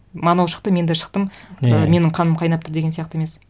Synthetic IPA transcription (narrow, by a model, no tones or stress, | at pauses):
mɑnowʃə̥qt̪əme̞nd̪eʃə̥qt̪əməme̞nɪɴqʰɑnəmqʰɑjnɑp̚t̪ʰʊɾd̪e̞ɡʲeijɑqt̪əeme̞s